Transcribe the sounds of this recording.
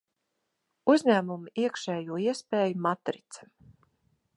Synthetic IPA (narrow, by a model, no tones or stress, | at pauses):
uzʲɲæːmumiiɛkʃɛːjuɔiɛspeːjumat̪ɾit̪sɛ̥